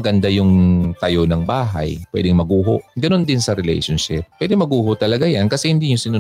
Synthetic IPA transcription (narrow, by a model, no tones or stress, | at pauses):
ɡɐnd̪ajʊŋt̪ɐjonɐŋbaːɦa̰jpwɛ̰d̪ɪŋmɐɡuːɦo̰ʔɡɐno̞nd̪ɪnsɐɾɛlɛ̰jʃonʃɪppwɛd̪ɪŋmɐɡuːhoʔt̪ɐlɐɡajankɐsɛhɪnd̪iːɲʊsɪnu